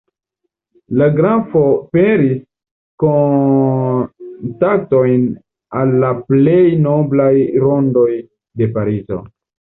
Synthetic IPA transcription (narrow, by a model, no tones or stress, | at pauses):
laɡɾafo̞peɾis | ko | tak̚to̞jn | alːaple̞jno̞blajɾo̞ndo̞j | de̞paɾizo̞̰